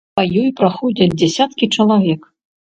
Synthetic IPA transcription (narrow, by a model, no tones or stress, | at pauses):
ajɔjpɾaxɔd͡zʲɐd͡zʲd͡zʲɛsʲat̪kʲit͡ʂɐlˠavʲɛk